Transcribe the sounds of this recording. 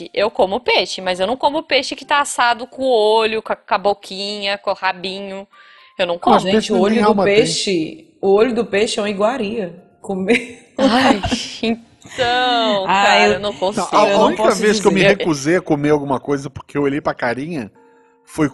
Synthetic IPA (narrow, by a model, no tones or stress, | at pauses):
ɪʔewkõmʊpeʃɪmɐzewnɐ̃w̃kõmʊʊpeʃɪkɪ̥t̪aasad̪ʊkõoʎʊkɐkabokʰĩɲɐkõhabĩɲʊ | ewnɐ̃w̃kõmʒẽt͡ʃɪoʎaʊmɐpeʃɪ | ʊoʎʊd̪ʊpeʃɪɛũmɐiɡwaɾiɐ | kome | ajẽ | t̪ɐ̃w̃aaewenɐ̃w̃kõsɐ̃w̃iaeũũnĩpɔkɐveskɪemɪhekuzejɐkomeawɡũmɐkojzɐpo̥ɾkeewoʎejpɾɐkaɾĩɲɐ | foj